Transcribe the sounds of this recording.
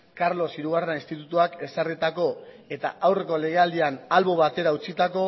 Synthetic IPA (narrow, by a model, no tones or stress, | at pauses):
kaɾlo̞siɾuɣ̞arenainst̪it̪ut̪uake̞sarit̪ako̞ | e̞t̪a̰ʔawre̞ko̞le̞ɣ̞e̞ald̪ianalβo̞βat̪e̞ɾaut͡sit̪ako̞